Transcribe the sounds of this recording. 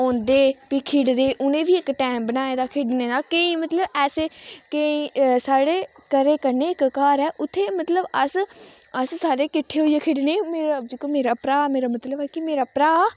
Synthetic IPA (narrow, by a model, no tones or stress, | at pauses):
ɔ̃ːnd̪eːpikʰɪɽd̪eːʔʊnẽːʋiːɪkʈɛːmbənaːeːd̪aːkʰɪɖneːd̪aːkeĩːmət̪ləbɛːseːkeĩsaːɽeː | kəɾeːkəɾneːɪkkaːɾɛːʔʊt̪ʰːeːmət̪ləbəsəssaːɽeːkɪʈʰːeːɦoːieːkʰɪɖneːmeːɾad͡ʒiːkomeːɾaːpɾaːmeːɾaːmət̪ləbɛːkɪmeːɾaːpɾaː